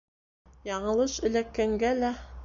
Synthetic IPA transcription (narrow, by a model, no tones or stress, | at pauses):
jɑɴɤ̆lˠɤʃɘ̆lækːæŋɡælæ